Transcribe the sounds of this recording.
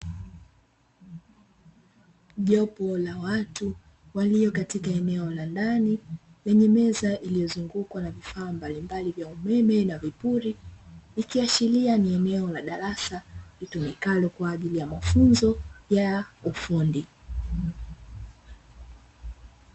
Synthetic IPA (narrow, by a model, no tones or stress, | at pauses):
ʄɔpɔlawatu | walijɔkatikaɛnɛɔlandani | lɛɲɛmɛzaʔilijɔzuŋɡukwanavifaːmbalimbalivjaumɛmɛnavipuɾilikiat͡ʃilianiɛnɛɔlaɗaɾasalitumikalɔkwaːʄilijamafunzɔjaufundi